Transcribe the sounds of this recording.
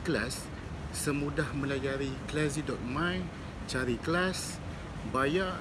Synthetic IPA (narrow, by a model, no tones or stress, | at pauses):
klasː | əmudahmə̃lad͡ʒaɾiklɛzidɔt̪̚mãjn | t͡ʃaɾiklas | baja